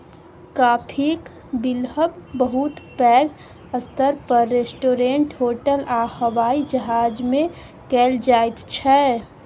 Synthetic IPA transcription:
kaːpʰik | bɪlɦəbbəɦut̪pɛːɡ | əst̪əɾpəɾːesʈoːɾeɳʈɦoːʈəlahəwaːid͡ʒəɦaːd͡ʒmẽ | kɛld͡ʒaːjt̪t͡ʃʰɛ

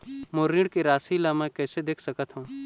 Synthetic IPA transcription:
moːɾĩɽkiɾaːsilamɛ̃kɛːsed̪eːkʰsɐkət̪ɦũː

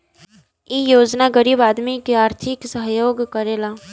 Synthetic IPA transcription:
ijoːd͡ʒnaɡəɾiːbaːd̪mikeaːɾt̪ʰɪksəɦjoːɡkɐɾeːlaː

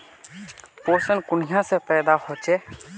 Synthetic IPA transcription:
poːsənkʊɳ̤ɪjãsepɛːd̪aːhoːt͡ʃeː

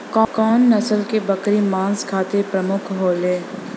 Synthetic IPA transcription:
kɔkɔːnːɐsəlkebɐkɾimãːnskʰaːt̪epɾɐmʊkʰɦoːleː

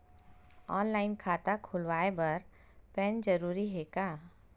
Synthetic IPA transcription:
ɔːnlaːɪnkʰaːt̪akʰʊlwaːebɐɾ | pɛːnd͡ʒəɾuːɾiɦekaː

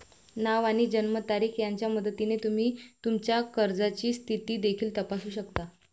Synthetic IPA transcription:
naʋaɽ̃id͡ʑənmət̪aɾiːkjaɲt͡ɕjaməd̪ʱət̪inet̪um̤iːt̪umt͡ɕjakəɾd͡zat͡ɕiːst̪ʰit̪iːd̪ekʰiːlt̪əpasuːɕəkt̪a

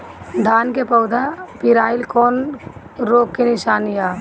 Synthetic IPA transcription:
d̪ʱaːnkepəʊd̪ʱapɪɾaːɪlkɔːn | ɾoːkkenɪʃaːnijaː

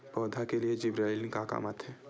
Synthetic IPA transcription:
pɔːd̪ʱakelied͡ʒɪbɾaːɪlkaka̰ːmat̪ʰɦɛː

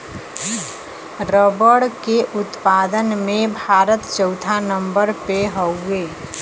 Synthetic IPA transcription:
ɾobəɽkeʔʊt̪paːd̪ənmẽbʱaːɾət̪t͡ʃəʊt̪ʰanə̃mbəɾpeɦoʊɡeː

